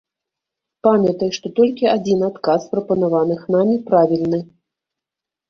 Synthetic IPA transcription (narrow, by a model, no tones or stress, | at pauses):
pamʲɐt̪ɐjʂt̪ɔt̪ɔlʲkʲiad͡zʲinat̪kaspɾɐpɐnavanɨxnamʲipɾavʲilʲnɨ